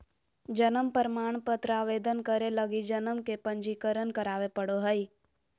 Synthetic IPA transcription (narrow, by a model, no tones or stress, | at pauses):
d͡ʒənəmpəɾmaːɳ̃pət̪ɾaːʋeːd̪ənkəɾeləɡid͡ʒənəmkepə̃ɲd͡ʒiːkəɾənkəɾaːʋepəɽoɦəi